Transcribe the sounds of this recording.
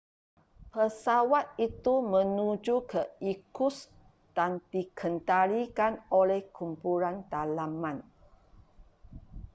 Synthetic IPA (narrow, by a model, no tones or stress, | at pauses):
pəsawat̪̚it̪umə̃nud͡ʒukəikus | d̥and̪ikʰənt̪aɾikanolɛhkʰumpulant̪alamãn